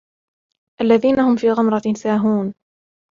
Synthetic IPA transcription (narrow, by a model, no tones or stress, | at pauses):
ʔalːaðiːnahʊmfiːɣamɾˤɑsaːɦuːn